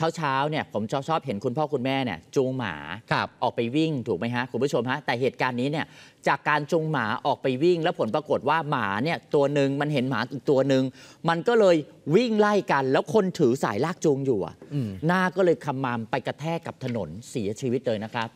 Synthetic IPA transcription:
t͡ɕʰaː˦˥wt͡ɕʰaː˦˥wni˥˩ɐpʰo˩˦mt͡ɕʰɔː˦˥˩t͡ɕʰɔː˥˩p̚ɦe˩˦nkʰu˧npʰɔː˥˩kʰu˧nmɛː˥˩ni˦˥˩ɐt͡ɕuː˧ŋma̰ː˩˦k̚ʰʔɔː˨˩k̚pa˧jwi˥˩ŋt̪ʰuː˨˩ma˦˥jɦa˦˥ʔkʰu˧mpʰu˥˩t͡ɕʰo˧mɦa˦˥t̪ɛː˨˩ɦeː˨˩t̪̚kaː˧nːiː˦˥ni˥˩ɐt͡ɕaː˨˩kːaː˧nt͡ɕuː˧ŋma̰ː˩˦ʔɔː˨˩k̚pa˧jwi˥˩ŋlɛː˦˥wpʰo˩˦npɾa˧ko˨˩t̪̚waː˥˩maː˩˦ni˥˩ɐt̪u˧ɐnɯ˨˧ŋma˧nɦe˩˦nmaː˩˦ʔiː˨˩k̚t̪u˧ɐnɯ˧ŋma˧nkɔː˥˩lɤː˧jwi˥˩ŋla˥˩jka˧nlɛː˦˥wkʰo˧nt̪ʰɯː˩˦sa̰ː˩˦jlaː˥˩k̚t͡ɕu˧ŋjuː˨˩a̰˩naː˥˩kɔː˥˩lɤː˧jkʰa˧mːaː˧mpa˧jka˧t̪ʰɛː˥˩kːa˨˩p̚t̪ʰa˧no˩˦nsi˩˦ɐt͡ɕʰiː˧wi˦˥t̪̚lɤː˧jna˦˥kʰɾa˦˥p̚

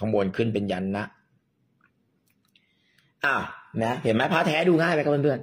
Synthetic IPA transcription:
a˧mboː˧nkʰɯ˥˩npe˧nja˦˥nːa˦˥ʔ | ʔaː˧˩wmɛ˦˥he˨˩˦nmɛ˦˥pʰaː˦˥t̪ʰɛː˦˥duː˧ŋaː˥˩jmɛ˦˥ka˧˩mː˧pʰɯ˧˩ən

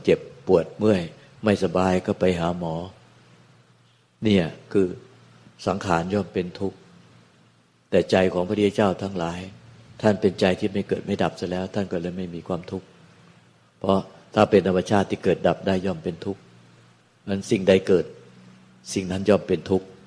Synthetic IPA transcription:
t͡ɕe˨˩pːu˨˩ət̪̚mɯ˥˩əj | ma˥˩jsa˧baː˧jkɔː˥˩pa˧jɦaː˩˦mɔː˩˦ | ni˥˩ɐkʰɯː˧ | sa˩˦ŋkʰaː˩˦njɔː˥˩mpe˧nt̪ʰu˦˥k̚ | t̪ɛː˨˩t͡ɕa˧jkʰɔː˩˦ŋpʰa˧˩i˥˩t͡ɕaː˥˩wt̪ʰa˦˥ŋlaː˩˦jt̪ʰa˥˩npe˧nt͡ɕa˧jt̪ʰiː˥˩ma˥˩jkɤː˨˩t̪̚ma˥˩jda˨˩p̚sa˧˥˩lɛː˦˥wt̪ʰa˥˩nkɔː˥˩lɤː˧jma˥˩jmiː˧kʰwaː˧mt̪ʰu˦˥k̚ | pʰɾɔ˦˥t̪ʰaː˥˩pe˧nt̪ʰa˧mːa˧t͡ɕʰaː˥˩t̪ʰːiː˥˩kɤː˨˩t̪̚da˨˩p̚daː˥˩jːɔː˥˩mpe˧nt̪ʰu˦˥k̚ | ʔnsi˨˩ŋda˧˩jkɤː˨˩t̪̚ | si˨˩ŋna˦˥njɔː˥˩mpe˧nt̪ʰu˦˥k̚

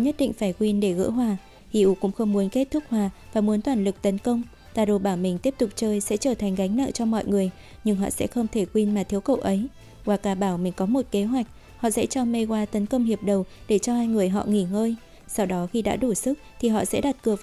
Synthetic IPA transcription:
ɲə˦˥t̚ɗḭ˧˨ŋ̟faː˧˩jkwi˧nɗe˧˩ɣɨ̰˧˥ɦwaː˨˩ | hḭ˧˨ʔu˨˦kʊ̰˧˥ŋ͡mxə˧wŋ͡mmu˨˦ənke˦˥t̚t̪ʰʊ˦˥k̚hwaː˨˩vaː˨˩mu˨˦ənt̪waː˧˩nlɨ˨˩k̚t̪ə˨˦nkə˧wŋ͡m | t̪aː˨˩ɗo˨˩ɓaː˧˩wmï˨˩ŋ̟t̪i˦˥əp̚t̪ʊ˨˩k͡p̚t͡ɕəː˧jsɛ̰˧˥t͡ɕəː˧˩t̪ʰa˨˩jŋ̟ɣa˨˦jŋ̟na̰ː˧˨ŋt͡ɕɔ˧mɔ̰˧˨jŋɨ˨˩əj | ɲɨ˧ŋɦɔ̰˧˨sɛ̰˧˥xə˧wŋ͡mt̪ʰe˧˩kwi˧nmaː˨˩t̪ʰi˨˦əwkə̰˧˨wʔə˨˦j | waː˨˧˩kaː˧˩ɓaː˧˩wmï˨˩ŋ̟kɔ˨˦mo˨˩t̚ke˨˦ɦwa˨˩jk̟̚ | hɔ̰˧˨sɛ̰˧˥t͡ɕɔ˧me˧ɣwaː˧t̪ə˨˦nkə˧wŋ͡mhi˨˩əp̚ɗə˨˩wɗe˧˩t͡ɕɔ˧ʔaː˧jŋɨ˨˩əjɦɔ̰˧˨ŋi˧˩ŋəː˧j | sa˧wɗɔ˨˦xi˧ɗa̰ː˧˥ɗu˧˩sɨ˦˥k̚t̪ʰi˨˩ɦɔ̰˧˨sɛ̰˧˥ɗa˨˩t̚kɨ˨˩ə

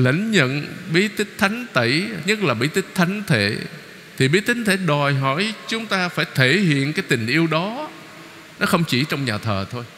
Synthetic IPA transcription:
lə̰˧˩ŋ̟ɲə̰˧˨nɓi˧˦t̪ï˦˥k̚t̪ʰa˨˦jŋ̟t̪i˧˩ɲə˦˥t̚laː˨˩ɓḭ˧˥t̪ï˦˥k̚t̪ʰa˨˦jŋt̪ʰḛ˧˨ | t̪ʰi˨˩ɓi˨˦˥t̪ï˨˦ŋ̟t̪ʰe˧˩ɗɔ˨˩jɦɔ˧˩jt͡ɕʊ˨˦ŋ͡mt̪aː˧faː˧˩jt̪ʰe˧˩ɦḭ˧˨ənkaː˨˦jt̪i˨˩ŋ̟ʔi˧əwɗɔ˨˦ | nɔ˨˦xə˧wŋ͡mt͡ɕi˧˩t͡ɕɔ˧wŋ͡mɲaː˨˩t̪ʰəː˨˩t̪ʰo˧j

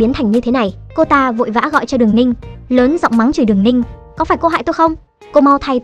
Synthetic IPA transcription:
i˨˦nt̪ʰa˨˩jŋ̟ɲɨ˧t̪ʰe˨˦na˨˩jko˧t̪aː˧vo̰˧˨jva̰ː˧˥ɣɔ̰˧˨jt͡ɕɔ˧ɗɨ˨˩əŋnï˧ŋ̟ləː˨˦nza̰˧˨wŋ͡mma˨˦ŋt͡ɕi˧˩ɨ˨˩əŋnï˧ŋ̟kɔ˨˦faː˧˩jko˧ɦa̰ː˧˨jt̪o˧jxə˧wŋ͡m | ko˧ma˧wt̪ʰa˧j

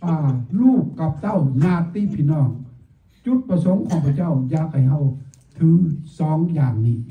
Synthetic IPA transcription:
ʔaː˧˩luː˥˩kːa˨˧˦p̚t̪a˥˨wnaː˧˩k̚t̪iː˧˥˨pʰiː˧˨nɔː˧˩ŋ | t͡ɕu˧˦˥t̪̚pa˧so˨˦ŋkʰɔː˨˦ŋpʰa˧˩wt͡ɕa˥˩wjaː˨˧˥k̚ha˧˩jɦa˧˩w | t̪ʰɯ˨˦ŋsɔː˨˦ŋjaː˨˩ŋniː˧˩

